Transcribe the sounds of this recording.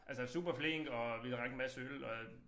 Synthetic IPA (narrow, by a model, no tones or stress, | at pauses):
ʔælsəsṵːb̥ɐfle̝ŋ̰ɡ̥ɒ̽ʋilʁaɡ̥mæsølɒ̽